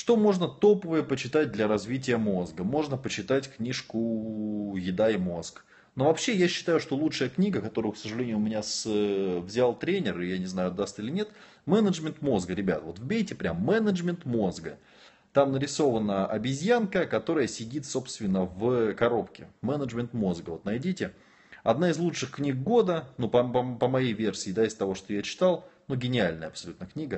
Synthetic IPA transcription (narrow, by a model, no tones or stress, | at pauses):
ʂt̪o̞mo̞ʐnət̪o̞pəvəjəpət͡ɕɪt̪at̚ʲd̪lʲɐɾɐzvʲit̬ʲɪjəmo̞zɡəmo̞ʐnəpət͡ɕɪt̪atʲknʲiʂkʊ | jɪd̪aɪmo̞sk | no̞vɐpɕːe̞jaɕːɪ̥t̪ajʊʂt̪o̞lˠutʂɨjəknʲiɡəkɐt̪o̞ɾʊjʊksəʐɨlʲenʲɪjʊmʲɪnʲasvzʲalˠt̪ɾʲenʲɪrɨjanʲɪznajʊd̪ast̪ɨlʲɪnʲet̪ | mɛnəʐmʲɪnt̪mo̞zɡəɾʲɪbʲa̰t̪vo̞t̪vbʲejtʲɪpɾʲamːɛnəʐmʲɪnt̪mozɡə | t̪amnəɾʲɪso̞vənəʔɐbʲɪzʲjankəkɐt̪o̞ɾəjəsʲɪdʲit̪so̞pst̪vʲɪnːəvkɐɾo̞pkʲɪ̰mɛnəʐmʲɪnt̪mo̞zɡəvo̞t̪nɐjdʲitʲɪ | ɐd̪naɪzlˠut͡ʂʂɨxknʲik̚ɡo̞d̪ənupəpəpəmɐjejvʲe̞rsʲɪːd̪aɪz̥t̪ɐvo̞ʂt̪o̞jat͡ɕɪ̥t̪alˠnuɡʲɪnʲɪalʲnəjəɐpsɐlʲut̪nəknʲiɡə